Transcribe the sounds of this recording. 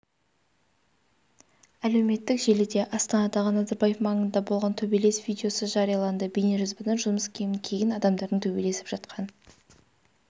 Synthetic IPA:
æle̞wme̞t̪ːɪkʒe̞lɪd̪e̞ʔɑst̪ɑnɑd̪ɑʁənɑzɑɾbɑjefmɑɴənd̪ɑbo̞lˠʁɑnt̪ʰɵbele̞svʲijd̪ʲeo̞səʒɑɾijɑlˠɑnd̪əbejneʒʏzbənənʒʊməskʲʰe̞mɪŋkʲʰe̞jɪnɑd̪ɑmd̪ɑɾd̪əɴt̪ʰɵbe̞le̞sɪ̥pʒɑt̪qʰɑn

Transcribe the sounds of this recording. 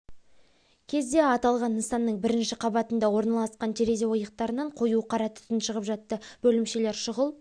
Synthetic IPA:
kʲʰe̞zd̪e̞ɑt̪ɑlˠʁɑnənsɑnːəɴbɪɾɪnʃɪqʰɑbɑt̪ənd̪ɑwo̞ɾnɑlˠɑsqɑnt̪ʰeɾezewo̞jəq̚t̪ɑɾənɑɴqʰo̞juqʰɑɾɑt̪ʰʏ̥t̪ɪnʃəʁəpʒɑt̪ːəb̥ɵlɪmʃe̞le̞ɾʃəʁəlˠ

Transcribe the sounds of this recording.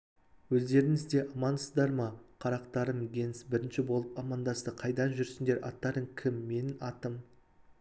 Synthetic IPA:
wɵzd̪e̞ɾɪŋɪzd̪e̞ʔɑmɑnsəzd̪ɑɾmɑqʰɑɾɑqt̪ɑɾəmɡʲe̞nsbɪɾɪnʃɪbo̞lˠəpɑmɑnd̪ɑsəqʰɑjd̪ɑnʒʏɾsɪnd̪e̞ɾʔɑ̰t̪ːɑɾəɴkʲʰɪmːe̞nɑt̪əm

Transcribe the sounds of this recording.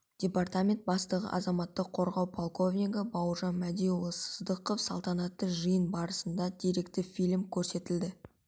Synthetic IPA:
d̪̥ʲe̞part̪amʲe̞nt̪̚bɑst̪əʁə̰ʔɑ̰zɑmɑt̪ːəqʰːo̞ɾʁɑwpʰolˠko̞vniɡəbɑwəʒɑnmæd̪ʲijulˠsə̥zd̪əqofsɑ̰lˠt̪ɑnɑt̪ːəʒəjənbɑɾəsənd̪ɑd̪eɾe̞kt̪ɪfʲijlmkʲʰɵɾse̞t̪ɪld̪ɪ

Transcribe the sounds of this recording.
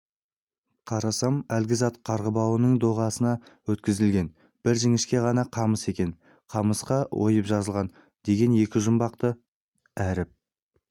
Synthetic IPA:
qʰɑɾɑsɑmælɡʲɪzɑt̪qʰɑɾʁəbɑwənəɴd̪oʁɑsənɑwɵt̪kʲɪzɪlɡʲe̞n | b̥ɪɾʒɪŋɪʃkʲe̞ʁɑnɑqʰɑməse̞kʲe̞n | qʰɑməsqɑwʔo̞̰jəpʒɑzəlˠʁɑn | d̪e̞ɡʲe̞nje̞kʲɪʒʊmbɑqt̪ə | æɾɪp̚

